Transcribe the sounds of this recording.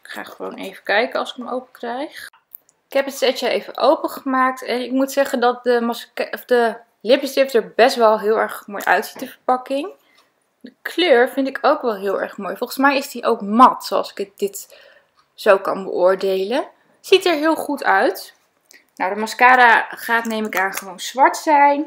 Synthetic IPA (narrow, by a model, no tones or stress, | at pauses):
ɪkχa̰ːχəʋo̰wnḛjvəkɛjkəɑ̰lˠsɪ̥kəmowpəkrɛjχ | ɪ̥kɦɛpətsɛt͡ʃəejvəʔowpəχəmaːk̚tɛnɪk̚mutsɛχəndɑt̚dəmɑskfdə | lɪpsrɪftəɹbɛstʋɛlˠɦɪːlˠɛɹχmoːjʔœ̰ɥtsi̥t̚dəvəɹpɑkɪŋ | dəkʰløːɹvɪntɪkʰowkʋɛlˠɦɪːlˠɛ̰ɹχmoːjfɔlˠχən̩smɛjɪsdiʔowkmɑtsoɑ̰lˠsɪ̥kət̚dɪt | z̥owkɑ̰nbə̰ʔʊːɹdejlən | z̥itɛɹɦɪːlˠχutʰœɥt | nawdəmɑskaːɾaχaːtnejmɪkaːnχəʋownz̥ʋɑɹtsɛjn